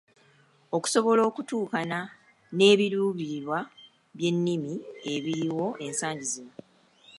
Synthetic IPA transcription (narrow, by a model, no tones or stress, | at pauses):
o̞ku̥so̞βo̞lo̞ːkutuːkana | ne̞ːβiɾuːβiɾwa | βje̞nːimie̞βiɾiwo̞ʔe̞nsaːɲɟizino